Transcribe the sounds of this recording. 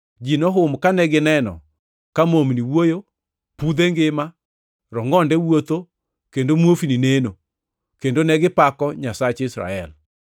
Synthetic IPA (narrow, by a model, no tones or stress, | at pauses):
d͡ʒinɔɦʊmkanɛɡɪnɛnɔ̰ | kamomniwojo | pud̪eŋɡɪma | ɾɔŋɔndɛwot̪o | kendomwofinineno | kendonɛɡɪpakɔɲasat͡ʃɪsɾa̰ɛl